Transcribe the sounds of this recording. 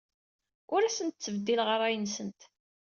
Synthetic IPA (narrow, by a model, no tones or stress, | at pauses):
ʊɾæsənt̪̚t͡sːəvəd̪ːilʁəɾˤæjənsənt̪